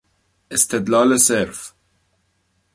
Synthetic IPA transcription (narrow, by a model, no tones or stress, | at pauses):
ɪst̪ɛd̪laːlɐsɛɾf